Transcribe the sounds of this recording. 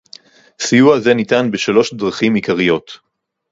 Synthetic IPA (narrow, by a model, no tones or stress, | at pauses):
sijuaze̞nitanbeʃalo̞ʃdʁaχimikaʁijo̞t